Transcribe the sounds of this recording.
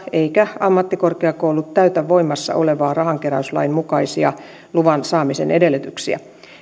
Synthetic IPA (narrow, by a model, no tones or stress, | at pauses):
eikæɑmːɑt̪ːikorkeɑkoulut̪t̪æyt̪æʋːoimɑsːɑ̰ʔoleʋɑːrɑhɑŋkeɾæyslɑ̰immukɑisiɑ | luʋɑnsɑːmisḛnʔedelːyt̪yksiæ̰